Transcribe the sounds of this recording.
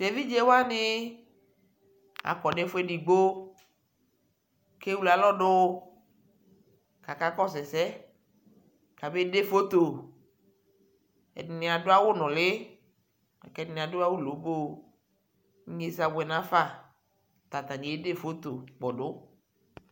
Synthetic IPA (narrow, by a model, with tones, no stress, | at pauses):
de˨vi˦d͡ʒe˦wa˦nɪ˦ | a̰˨kɔ˨ɖe˦fʊ˦ɛ˦di˨ɡ͡bo˦ | ke˦wu˦la˨lɔ˦ɖʊ˦ | ka˨ka˦kɔ˦sɛ˨sɛ˦ | ka˨be˦de˦fo˦t̪o˨ | ɛ̰˨dɪ˨nɪ˨a˨dʊ˦a˦wʊ˦nɔ̃˨lɪ˦ | a̰˨kɛ˨dɪ˨nɪ̃˨a˨dʊ˦a˦wo˦lo˨˦bo˦ | ɲe˦za˨wɛ˨nã˦fa˦˨ | t̪a˨t̪a˨nĩ˨e˦de˦fo˦t̪o˨k͡pɔ˨ɖʊ˦